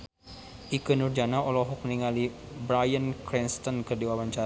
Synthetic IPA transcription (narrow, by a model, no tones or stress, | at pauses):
ʔikənurd͡ʒanaɔlɔɦɔk̚mniŋali | bɾajənkɾinst̪ɔnkɨrdiwawaɲt͡ʃa